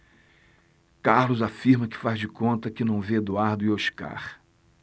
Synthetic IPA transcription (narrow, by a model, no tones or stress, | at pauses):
kaɾlʊzafiɾmɐkɪ̥fazd͡ʒɪkõnt̪ɐkɪnɐ̃w̃veed̪uaɾd̪ʊɪoʃka̰χ